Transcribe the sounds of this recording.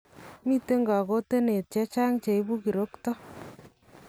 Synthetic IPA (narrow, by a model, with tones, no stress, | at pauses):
mi˦te˦ŋɡa˨ko˦te˦ne˨t̚t͡ʃɛ˦t͡ʃa˦ŋt͡ʃe˨i˦bu˦ki˨ɾo˦ktɔ˦